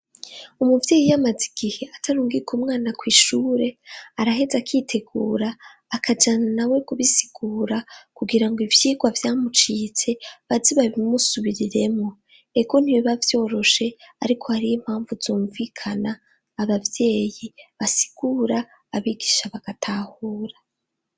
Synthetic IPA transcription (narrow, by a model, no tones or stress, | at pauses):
umuvje̞ːjijamaziɡ̥iheʔatʰaɾuːŋɡikumŋaːnakwiːʃuːɾe̞aɾaɦe̞zakʰitʰe̞ɡuːɾaː | kʰad͡ʒananawe̞kuβisi̥ɡ̥uːɾakuɡiɾaŋɡoivjiːɡwavjaːmut͡ʃiːt͡se̞βaziβaβimusuβiɾiɾe̞mŋo̞ | eɡo̞n̥iβiβavjo̞ːɾo̞ʃe̞aɾikʰo̞haɾijim̥haːɱvuzoːɱviːkʰanaː | βavje̞ːjiβasi̥ɡ̥uːɾaː | βiɡiʃaβaɡ̥atʰahuːɾa